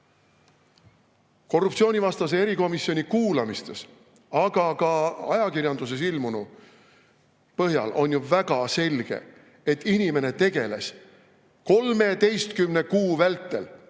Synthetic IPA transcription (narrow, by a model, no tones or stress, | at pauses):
ko̞rːupt̪sio̞ːnʲivɑst̪ɑs̬eeɾiko̞misio̞nʲikuːlɑmist̪e̞s | ɑɡ̥ɑkɑɑ̰jɑkirjɑnd̪̥us̬e̞silmunu | pɤɦjɑ̰lʔo̞nʲjuvæɡ̥ɑse̞lʲɡ̥e̞̰ | et̪ːˑinime̞ne̞t̪e̞ɡe̞le̞̰s | ko̞lme̞t̪e̞jst̪kymne̞kuːvælt̪ːˑe̞l